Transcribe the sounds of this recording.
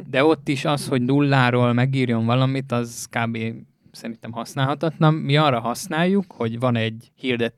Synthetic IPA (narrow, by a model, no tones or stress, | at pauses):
d̪ɛo̞t̪ːiʃɒsho̞ɟnulːaːɾoːlmɛɡiːrjo̞ɱvɒlɒmit̪ɒzkaːbeː | sɛɾint̪ɛmhɒsnaːlɦɒt̪ɒt̪lɒmːiɒrːɒɦɒsnaːjːukho̞ɟʋɒnɛɟhird̪ɛt̪